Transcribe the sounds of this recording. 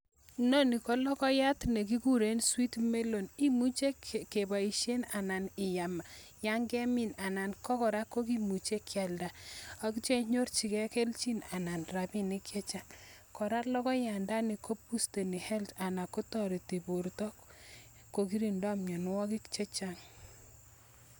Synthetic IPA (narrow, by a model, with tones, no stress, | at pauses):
nɔ˦ni˨kɔ˦lɔ˦kɔ˦ja˦tne˨k̬i˦ku˦ɾe˦nswi˦tme˦lo˨ni˦mu˦t͡ʃe˦kkːe˨ba˨i˨ʃje˦na˨na˨nɪ˨ja˨ma˨ja˦ŋɡɛ˦mi˨na˨na˨nkɔ˦kɔ˨ɾa˦ko˦k̬i˦mu˨t͡ʃe˦kʰja˨lda˨a˨kt͡ʃe˦ɲo˦ɾt͡ʃi˨kɛ˦ke˦lt͡ʃi˦na˨na˨nɾa˨bi˦ni˦kje˦t͡ʃa˦ŋ | kɔ˨ɾa˦lɔ˦kɔ˦ja˨nda˦ni˨ko˦pu˦ste˨ni˨hɛ˦lta˨na˨ko˦tɔ˦ɾi˨ti˨bo˨ɾtɔ˦k | kːo˨k̬i˦ɾi˨nda˦mɲɔ˨n˦wɔ˦ki˦kt͡ʃe˦t͡ʃa˦ŋ